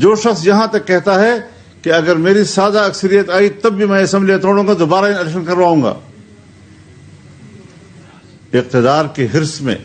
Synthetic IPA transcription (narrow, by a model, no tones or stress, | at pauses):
d͡ʒoːʃɐxsjɐɦãt̪ɐkːɛɦt̪aɦɛ | keɐɡəɾmeːɾisaːd̪aɐksəɾijət̪aːit̪ɐbːimɛ̃ɐsɛ̃mbliet̪ʰoːɽũːŋɡad̪obaːɾaɪnɪlɛkʃ̬ənkɐɾʋaːũːɡa̰ː | ɪq̚t̪ɪd̪aːɾkeɦɪɾsmḛ̃ː